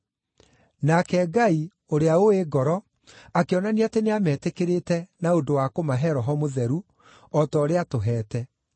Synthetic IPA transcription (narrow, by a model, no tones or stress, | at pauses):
nakɛːɡai | oɾeaoeɡɔɾɔ | akeɔnaniateneamɛːtekeɾetɛnaondowakomaɦɛɾɔɦɔmoðɛɾu | ɔtɔːɾeatoɦɛːtɛ